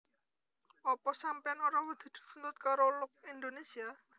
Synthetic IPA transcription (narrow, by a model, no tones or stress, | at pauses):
ɔpɔsampɛanɔɾawəd̪̥i̤d̪̥ṳ̥sund̪ʊt̪̚kaɾolʊk̚ind̪onesia